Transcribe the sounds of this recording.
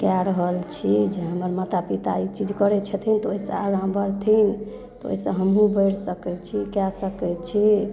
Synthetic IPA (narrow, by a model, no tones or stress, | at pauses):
kaɾəɦəlt͡ʃʰid͡ʒeɦəməɾmat̪apit̪a̰it͡ʃid͡ʒkəɾɛt͡ʃʰɛt̪ʰint̪ɔoisə̰̃aɡãbəɾt̪ʰin | t̪ɔo̰isə̃ɦəmɦũbəjɽsəkɛt͡ʃʰikasəkɛt͡ʃʰi